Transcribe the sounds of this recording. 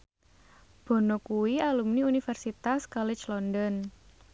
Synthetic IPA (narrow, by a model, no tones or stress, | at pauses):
b̥ɔ̤nɔkuialumniunifɛrsit̪askɔlɪt͡ʃlɔndɔn